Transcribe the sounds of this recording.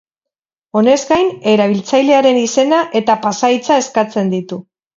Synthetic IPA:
o̞ne̞zɡajne̞ɾaβ̞ilt͡sajle̞aɾe̞nise̞naʔe̞t̪apasait͡sae̞skat͡se̞nd̪it̪u

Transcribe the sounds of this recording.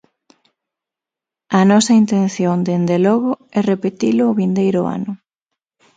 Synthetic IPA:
ɐnɔsɐint̪ẽnθjond̪end̪elɔɣʊɛrepet̪ilʊːβind̪ejɾʊ̰a̰nʊ

